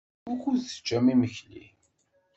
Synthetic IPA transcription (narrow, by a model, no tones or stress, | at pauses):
ʊɾkuzə̥t͡ʃːæmiməçlḭ